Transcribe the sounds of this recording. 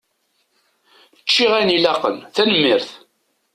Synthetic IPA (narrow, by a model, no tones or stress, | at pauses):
t͡ʃːiʁænilɑqə̰nθænəmːɪɾθ